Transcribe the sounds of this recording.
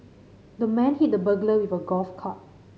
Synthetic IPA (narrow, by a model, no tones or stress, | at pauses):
dəmɛ̃nhit̚dəbəɡləwivəɡɔlfkʰɔt̚